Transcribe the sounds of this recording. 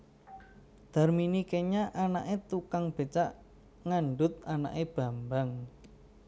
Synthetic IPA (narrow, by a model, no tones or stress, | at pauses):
d̪̥a̤rminikeɲaʔanaʔet̪ukaŋb̥e̤t͡ʃaʔ | ŋaɳɖʊt̪̚ana̰ʔeb̥a̤mbaŋ